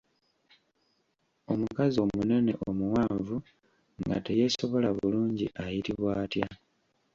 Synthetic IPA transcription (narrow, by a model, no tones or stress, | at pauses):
o̞mukazio̞mune̞ne̞ʔomuwaːɱvu | ŋɡa̰te̞je̞ːso̞βo̞laβuluːɲɟḭʔajitiβwaːtja